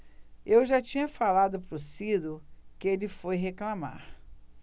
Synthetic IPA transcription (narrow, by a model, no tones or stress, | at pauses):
ewʒat͡ʃĩɲɐfalad̪ʊpɾʊsid̪ʊkɪelɪfojɦeklama̰ɾ